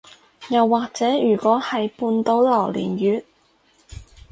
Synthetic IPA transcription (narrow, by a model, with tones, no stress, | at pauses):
jɐ˨wːaː˨k̚t͡sɛː˨˥jyː˨˩kwɔː˨˥hɐ˨jpuː˨˧nt̪o˨˥wlɐ˨˩wlḭː˨˩njyː˨t̚